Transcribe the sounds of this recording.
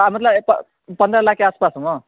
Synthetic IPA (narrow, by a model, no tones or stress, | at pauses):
amʌt̪lʌp | pʌnd̪ɾʌlakʰeaspasʌmʌ